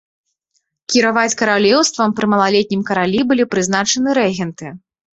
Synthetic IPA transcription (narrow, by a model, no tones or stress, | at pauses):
kʲiɾavat͡sʲkɐɾalʲɛwst̪vɐmpɾɨmɐlˠalʲɛt̪̚ʲnʲimkɐɾalʲibɨlʲipɾɨznat͡ʂɐnɨɾɛɣʲɛnt̪ɨ